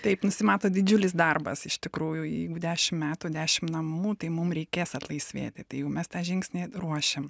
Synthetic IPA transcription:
t̪ɐɪpnʊsʲɪmɑːt̪oːd̪ʲɪd͡ʒʲʊlʲɪs̬d̪ɐrbɐ̰sɪʃt̪ʲɪkɾuːjʊjɛ̰ɪɡʊd̪ʲæːʃʲɪmmʲæːt̪uːd̪ʲæːʃʲɪmnɐmuːt̪ɐɪmʊmɾʲɛɪkʲeːsɐt̪lˠɐɪsʲʋʲḛːt̪ʲɪt̪ɐɪjɛʊmʲɛst̪ɑːʒʲɪŋksʲnʲeːruɔʃʲem

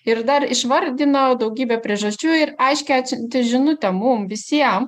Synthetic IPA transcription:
ɪɾd̪ɐɾɪʃʋɐɾʲd̪ʲɪnod̪ɒʊɡʲiːbʲɛpʲɾʲiɛʒɐsʲt͡ʃʲuːɪɾɐɪʃʲkʲɛsʲɪnʲt̪ʲɪʒʲɪnʊt̪ʲɛmʊmʋʲɪsʲiɛm

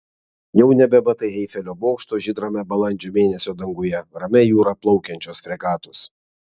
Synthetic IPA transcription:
jɛʊnʲɛbʲɛbɐt̪ɐɪɛɪfʲɛlʲoːboːkʃt̪oːʒʲɪd̪ɾɐmʲɛbɐlˠɐnʲˑd͡ʒʲoːmʲeːnʲɛsʲoːd̪ɐŋɡʊjɛɾɐmʲɛjuːɾɐplˠɔʊkʲɛnʲt͡ʃʲosfʲɾʲɛkɑːt̪ʊs

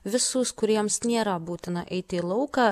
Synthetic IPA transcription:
ʋʲɪsuːskʊɾʲiɛmsnʲeːɾɐbuːt̪ʲɪnɐʔɛɪt̪ʲɪːlˠɐʊkɑ

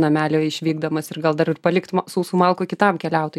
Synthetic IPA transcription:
nɐmʲæːlʲoːɪʃʲʋʲiːɡd̪ɐmɐsɪɡɐlˠd̪ɐɾɪrpɐlʲɪkt̪msuːsuːmɐlˠkoːkʲɪt̪ɐmkʲɛlʲɛʊt̪o

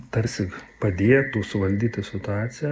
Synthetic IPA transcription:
t̪ɐɾʲsʲɪpɐd̪ʲeːjɛt̪uːsʊʋɐlʲd̪ʲiːt̪ʲɐsʲɪt̪ʊaːsʲɪjɛ

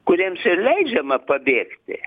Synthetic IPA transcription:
kʊɾʲiɛmsɪlʲɛɪd͡ʒʲɛmɐpɐbʲeːkt̪ʲɪ̰

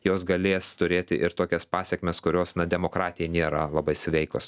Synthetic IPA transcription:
joːsɡɐlʲeːst̪ʊɾʲeːt̪ʲɪʔɪɾt̪oːkʲɛspɑːsʲɛkmʲɛskʊɾʲoːsnɐd̪ʲɛmoːkɾɑːt̪ʲɪjɛnʲeːɾɐlˠɐbɐɪsʲʋʲɛɪkos

